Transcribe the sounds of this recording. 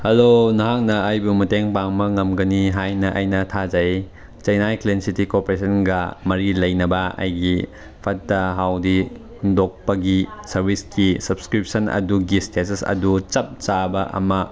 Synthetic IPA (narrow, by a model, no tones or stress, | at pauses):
hɐlonɐɦaŋnɐːjbumɐteŋpaŋmɐŋɐmɡɐniɦajnɐʔɐjnɐtʰad͡ʒɐj | t͡ʃɐjnajklensitikopeɾesʰɐnɡɐmɐɾilɐjnɐbɐɐ̰jɡi | pʰɐt̚dɐɦawdi | dok̚pɐɡisɐɾbʱiskisɐb̚skɾip̚sɐnɐ̰duɡistesɐsɐ̰dut͡ʃɐp̚t͡ʃabɐʔɐ̰mɐ